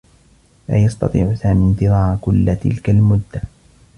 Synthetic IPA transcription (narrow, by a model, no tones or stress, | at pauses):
la̰ːjɑst̪ɑ̰t̪ˤḭːʕʊsaːmint̪ɨðˤaːʕkʊlːt̪ɪ̰lkalmʊd̪ːa